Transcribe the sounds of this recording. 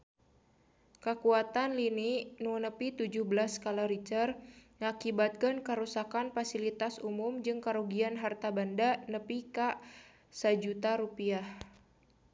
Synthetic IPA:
kəkuat̪anlininunəpit̪ud͡ʒuhbəlaskalaɾit͡ʃərŋakibat̪̚kənkəɾusakanfasilit̪asumumd͡ʒɨŋkaɾuɡianɦart̪abandanəpika | sad͡ʒut̪aɾupiah

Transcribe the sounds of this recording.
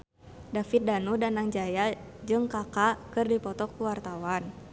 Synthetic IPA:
dafit̪̚danudanaŋd͡ʒajad͡ʒɨŋkakakɨrdipɔt̪ɔkuwart̪awan

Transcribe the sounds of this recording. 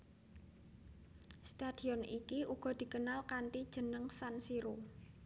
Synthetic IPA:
st̪ad̪̥i̤ɔnikiʔuɡ̥ɔ̤d̪̥i̤kənalkant̪id̥ʒ̥ə̤nəŋsansiɾu

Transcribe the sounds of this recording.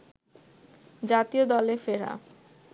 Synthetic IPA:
d͡ʑat̪iod̪ɔlefeɾa̰

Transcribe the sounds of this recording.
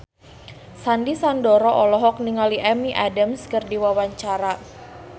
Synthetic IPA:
sandisandɔɾɔʔɔlɔɦɔk̚niŋaliʔɛmiʔadamskərdiwawaɲt͡ʃaɾa

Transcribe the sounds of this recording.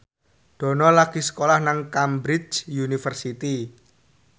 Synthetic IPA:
d̪̥ɔ̤nɔlaɡ̥i̤sə̥kolahnaŋkambɾɪt͡ʃjunifərsit̪i

